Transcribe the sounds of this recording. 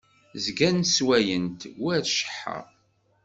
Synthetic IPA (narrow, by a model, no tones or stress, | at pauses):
zɡænswæjənt̪wʊæθʃə̥ħːə̰ʁ